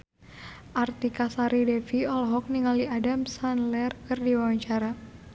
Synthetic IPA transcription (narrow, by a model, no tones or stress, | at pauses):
ʔart̪ikasaɾidɛfiɔlɦɔk̚niŋaliadamsanlɛrkɨrdiwawaɲt͡ʃaɾa